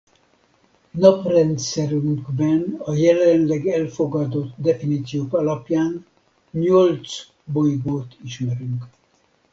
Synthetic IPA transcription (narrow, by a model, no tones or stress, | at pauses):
nɒprɛnt̪sɛɾyŋkbɛnɒjɛlɛnlɛɡɛlfoɡɒd̪o̞t̪d̪ɛfiniːt̪sijoːkɒlɒpjaːn | ɲolt̪s | bojɡoːt̪iʃmɛɾyŋk